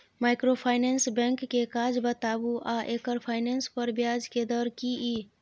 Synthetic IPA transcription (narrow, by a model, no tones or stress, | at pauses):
maːɪkɾopʰaːɪnensbɛ̃ŋkːekaːd͡ʒbət̪aːbuʔaʔekəɾpʰaːɪnenspəɾbjaːd͡ʒked̪ɔɾkii